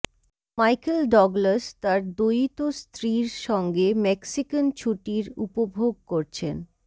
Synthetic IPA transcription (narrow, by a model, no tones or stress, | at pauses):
majkelɖɔɡlast̪aɾd̪ojit̪ost̪ʰɾiɾʃɔŋɡemɛksikənt͡ɕʰuʈiɾṵpobʱoɡ̚koɾt͡ɕʰen